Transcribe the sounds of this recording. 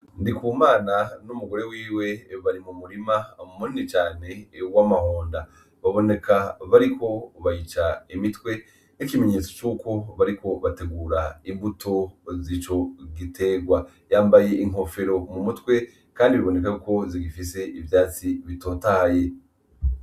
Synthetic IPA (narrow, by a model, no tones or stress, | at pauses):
ndikuːmaːnanumuɡo̞ɾe̞wiːwe̞βaɾimumuɾimamumuɾinit͡ʃaːne̞wamahoːnda | βaβo̞ne̞kaβaɾikʰo̞βajit͡ʃaimitwe̞ | nikime̞ɲe̞t͡so̞̥t͡ʃuːko̞βaɾikʰo̞βate̞ɡuːɾaimbutʰo̞zit͡ʃo̞ɡitʰe̞ɡwa | jaːmbaje̞iŋo̞fe̞ɾo̞mumutwe̞ | kaːndiβiβo̞ne̞kakuko̞ziɡifise̞ʔivjaːt͡siβito̞ːtahje̞